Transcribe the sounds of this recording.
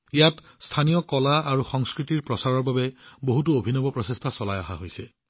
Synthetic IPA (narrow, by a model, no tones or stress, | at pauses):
ijat | stʰanijɔkɔlaaɹuxɔŋskɹitiɹpɹɔsaɹɔɹbabɛboɦutuobʱinɔbɔpɹɔsestʰasɔlaja̰ɦaɦojsɛ